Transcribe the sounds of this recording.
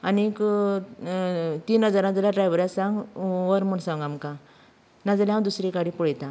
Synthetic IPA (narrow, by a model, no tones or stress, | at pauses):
anik | t̪iːnɦəd͡zaɾãd͡zalaɖɾajʋəɾjasãŋɡʋəɾmuɳsãŋɡamka | nad͡zaljɦãwd̪usɾikaɽipɔɭjt̪ã